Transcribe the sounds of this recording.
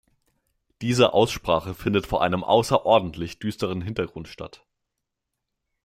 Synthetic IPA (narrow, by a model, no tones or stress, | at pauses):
d̥iːzəʔa̰ʊsʃpʁ̥aːχəfɪndətfoːɐʔa̰ɪnəmʔa̰ʊsɐʔɔɐdn̩tʰlɪçd̥yːstəʁ̞ənɦɪntɐɡʁʊntʃta̰t